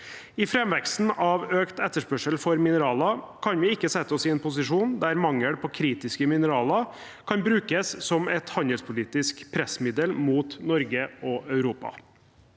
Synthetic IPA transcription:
ɪfɾɛmʋɛksn̩ʔɑʋøːkt̪ɛt̪ːəʂpœʂəlfɔɾmɪnəɾɑːlɑ | kʰɑnʋɪɪkːəsɛt̪ːɔsɪɛnpʊsɪʂuːnd̪æɾmɑŋːəɽpʰɔːkʰɾiːt̪ɪskəmɪnəɾɑːlɑ | kʰɑnbɾʉːkəssɔmɛt̪hɑnd̪əlspʰʊliːt̪ɪskpʰɾɛsmɪd̪əlmuːt̪nɔɾɡəɔœʉɾuːpɑ̰

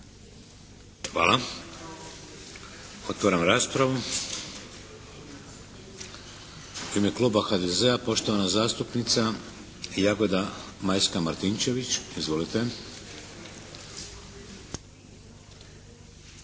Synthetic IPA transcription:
xʋa̰ːlˠa | o̞t̪ʋaɾamɾaːspɾaʋu | imeklˠuːbaxad̪ezeapo̞ʃt̪o̞ʋanazaːst̪upnit̪sa | jaɡo̞d̪amajskamaɾt̪int͡ʃe̞ʋit͡ɕizʋo̞lit̪e

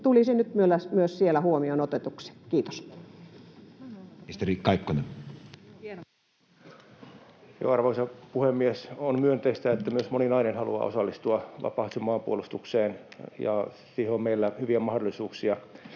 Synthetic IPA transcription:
t̪ulisenyt̪myølːæsmyøssielæhuomionot̪et̪uksi̥kiːt̪o̥s | ist̪erikkːɑikːonen | jo̰ɑrʋoisɑpuhemːiesonmyønt̪eist̪æet̪ːæmyøsmoninɑinenhɑlṵɑ̰ːo̰sɑlːist̪uɑʋɑ̰pɑht̪umɑːmpuolust̪ukseːnjɑ̰ | siːheommeilːæhyʋiæmɑhdolːˑisuːksiɑ

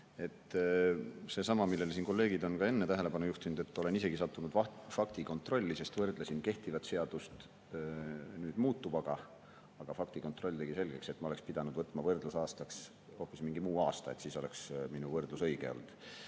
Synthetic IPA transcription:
e̞t̪ː | se̞ːsɑmɑmilːe̞lsiːnko̞lːe̞ːɡid̪o̞nkɑe̞nːet̪æɦe̞le̞pɑnujuht̪inud̪̥e̞t̪ːo̞le̞nise̞ɡ̥isɑt̪ːˑunud̪̥ɑfɑkt̪iko̞nt̪ˑro̞lʲːise̞st̪vɤrd̪lesinke̞ht̪ivɑt̪se̞ɑd̪̥ust̪ | nyːd̪̥muːt̪ːub̥ɑɡ̥ɑ | ɑɡ̥ɑfɑk̚t̪iko̞nt̪ˑro̞lʲːt̪e̞ɡ̥ise̞lɡ̥e̞kset̪ːmɑo̞le̞kspid̪̥ɑnud̪̥vɤt̪ːˑmɑvɤrd̪̥lusɑːst̪ɑks | ho̞pːismiŋɡimuːɑːst̪ɑet̪siːso̞le̞ksminuvɤrd̪lusɤjɡ̥e̞o̰ld̪̥

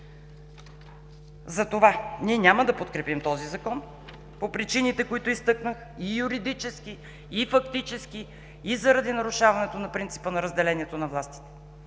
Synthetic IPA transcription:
zɐt̪ovaniɛnʲaməd̪ɐpot̪kɾɛpimt̪ɔzizɐkɔn | popɾit͡ʃinit̪ɛkoit̪oist̪ɤknəx | ijuɾid̪it͡ʃɛskʲi | ifɐkt̪it͡ʃɛskʲi | izɐɾɐd̪inɐɾuʃavɐnɛt̪onɐpɾint̪si̥pənɐɾəzd̪ɛlɛniɛt̪onɐvlˠast̪i̥t̪ɛ̥

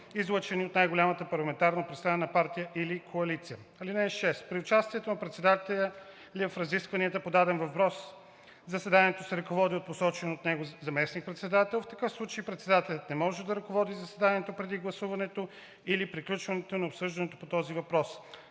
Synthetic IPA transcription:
izlˠət͡ʃɛniot̪najɡʊlʲamət̪əpɐɾlˠɐmɛnt̪aɾnəpɾit̪st̪ɾanɛnɐpaɾt̪ijəʔilikʰoɐlit̪sijə | ɐlinɛnʃɛst̪pɾiʊt͡ʃast̪iɛt̪onɐpɾɛt̪sɛd̪at̪ɛlʲə | livɐfɾɐziskvɐniət̪əpod̪ad̪ɛnvɐpɾɔs | zəsɛd̪aniɛt̪osɛɾɐkovɔd̪iot̪̚posɔt͡ʃɛnot̪nɛɡozɐmɛsnik̚pɾɛt̪sɛd̪at̪ɛlˠft̪ɐkɤfslˠut͡ʃəipɾɛt̪sɛd̪at̪ɛlʲət̪nɛmɔʒɛd̪ɐɾɐkovɔd̪izɐsɛd̪aniɛt̪opɾɛd̪iɡlˠɐsuvɐnɛt̪o | ilipɾiklʲut͡ʃvɐnɛt̪onɐopsɤʒd̪ɐnɛt̪o̥pot̪ɔzivɐpɾɔs

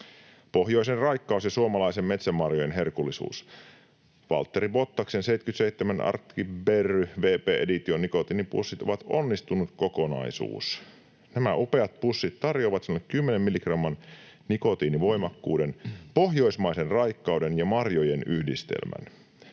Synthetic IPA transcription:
poɦjoisenrɑjkːɑusjɑsuomɑlɑisemme̞t̪sæmːɑrjojenɦe̞rkulːisṵːs | ʋɑ̰lt̪ːeɾiʋo̞t̪ːɑksensejt̪kyt̪sejt̪ːemænʔɑ̰rkːiberyʋeːpeːʔedit̪ionːiko̞t̪iːnipṵsːit̪o̞̰ʋɑt̪o̰nːist̪unut̪koko̞nɑ̰isṵːs | næmæʔupeɑt̪̚pusːit̪t̪ɑrjoʋɑt̪sinolekkymːenemmilikrɑmːɑn | niko̞t̪iːniʋo̞jmɑkːuːdenpo̞ɦjo̞ismɑjsenrɑjkːɑwde̞njɑmɑrjojenyhdist̪ḛlmæ̰n

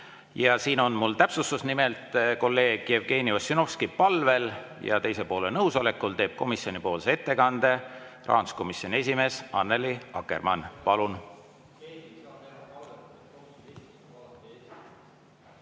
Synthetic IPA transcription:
jɑsiːno̞nmult̪æpsust̪usnimelt̪ˑko̞lːe̞ːɡ̥jevɡe̞ːniosːyno̞fskipɑlve̞ljɑ̰t̪e̞jsepo̞ːlenɤwso̞le̞kːˑult̪e̞ːb̥̚ko̞misio̞nipo̞ːlseet̪ːe̞kɑnd̪̥e̞rɑ̰ːɑnd̪u̥sko̞misjo̞nʲe̞s̬ʲime̞ːsɑnːeliɑ̰kːe̞̰rmɑnpɑlun

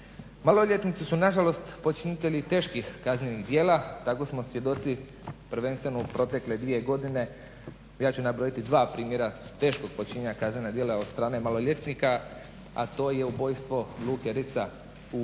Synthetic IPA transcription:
malo̞ʎʲet̪nit̪sisunaʒalo̞st̪pot͡ʃinit̪eʎit̪e̞ːʃkixkazne̞niɣd̪jeːlat̪ako̞smo̞sje̞d̪o̞t̪si | pɾʋe̞nst̪ʋenoupɾot̪e̞kle̞d̪ʋije̞ɡo̞d̪ine̞ | jaːt͡ɕunabɾo̞jit̪id̪ʋaːpɾiːmje̞ɾat̪e̞ːʃko̞ɡ̥̚pot͡ʃiɲeɲakaznenad̪jeːlaod̪st̪ɾaːnemalo̞ʎe̞t̪nika | a̰t̪o̞ːje̞ubo̞ːjst̪ʋo̞luːkeɾit̪sa | u

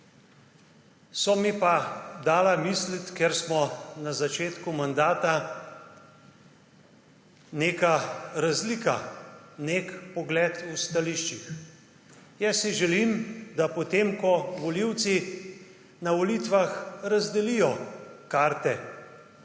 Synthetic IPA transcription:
sɔmipad̪aːlamislit̪keɾsmɔnazat͡ʃeːt̪kumand̪aːt̪a | neːkaɾazlikanekpɔɡlɛːt̪ust̪aliʃt͡ʃix | jɛsiʒɛlimd̪apɔt̪eːmkɔʋɔliw̪si | naʋɔlit̪ʋaxɾazd̪ɛlijɔkaːɾt̪ɛ

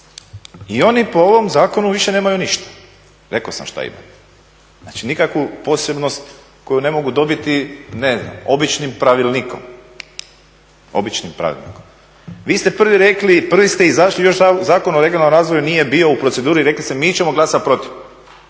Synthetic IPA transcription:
io̞nipo̞o̞ʋo̞mzaːko̞nuʋiʃe̞ne̞ːmajuniʃt̪ḁ | ɾe̞kosa̰mʃt̪a̰ḭma̰t̪ | naːt͡ʃinikakʋupo̞se̞bno̞st̪ | ko̞june̞mo̞ɡud̪o̞bit̪ine̞zna̰mo̞bit͡ʃnimpɾaʋilˠniːko̞̰m | o̞̰bit͡ʃnimpɾa̰ʋḭlnḭːkom | ʋiːst̪e̞pr̩ʋiɾe̞klipr̩ʋist̪eizaʃlijo̞ʃzaːko̞noɾe̞ɡionalːomɾaːzʋo̞junije̞bio̞upɾose̞d̪uːɾiɾe̞klist̪emiːt͡ɕe̞mo̞ɡlˠasat̪̚pɾo̞t̪iʋ

